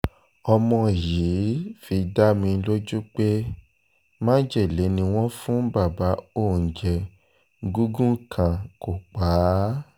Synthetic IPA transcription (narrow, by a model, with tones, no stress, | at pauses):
ɔ˧mɔ̃˧˨jiː˨˦fi˧da˦mĩ˧˦lo˦d͡ʒu˦k͡pe˦ | mã˦d͡ʒe˦˨le˨˦nĩ˧w̃ɔ̃˦fũ˦ba˦˨ba˨˦o˦˨n̩˨d͡ʒɛ˧˦ | ɡu˦ɡũ˦kʰã˨ko˨k͡paː˨˦